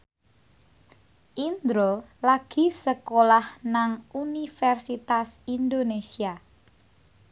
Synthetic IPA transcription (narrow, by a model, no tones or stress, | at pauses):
ʔind̪ɾolaɡ̥i̤səkolahnaŋunifɛrsit̪asind̪onesia